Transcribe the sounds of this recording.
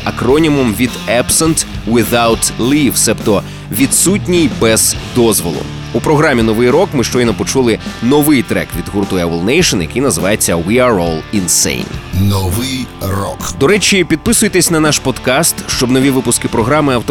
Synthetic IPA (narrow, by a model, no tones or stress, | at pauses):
ɐkɾɔnʲimʊmʋʲid̪ɛbsent̪ʋɪðawt̪lʲˠiwsɛpt̪ɔ | ʋʲid̪sut̬ʲnʲijbɛz̥d̪ɔzʋɔlˠʊ̰ | upɾɔɦɾamʲːinɔʋɪjɾɔkmɪʃt͡ʃɔjnɔpɔt͡ʃulˠɪnɔʋɪjt̪ɾɛ̰kʋʲid̪ɦurt̪ʊɛwɐlˠnɛjʃɔnjɐ̰kɪjnɐzɪʋɑjet͡sʲːɐwiaɾɔlˠinsḛjnnɔʋɪjrɔ̰kd̪ɔɾɛt͡ʃʲipʲid̪̚pɪsʊjet̪esʲnɐnɑʃpɔd̪kɑst̪ʃt͡ʃɔbnɔʋʲiʋɪpʊskɪpɾɔɦɾɑmɪɐwt̪ɔ